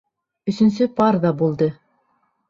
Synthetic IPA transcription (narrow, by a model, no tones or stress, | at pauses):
ɵ̆sɵ̆nsɵpɑɾðɑbulˠd̪ɤ